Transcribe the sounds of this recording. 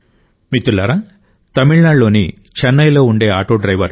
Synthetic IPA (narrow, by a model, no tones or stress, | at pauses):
mit̪ulɐɾɐ | t̪ɐmiɭɳaːlo̞ːni | t͡ʃɛnːɐjlo̞ːuɳɖe̞ːaːʈoːɖɾɐjʋɐɾ